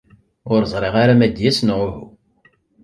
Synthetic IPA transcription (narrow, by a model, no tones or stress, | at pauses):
ʊɾzˤɾˤeʁaɾamæd̪jæsnʁʊhu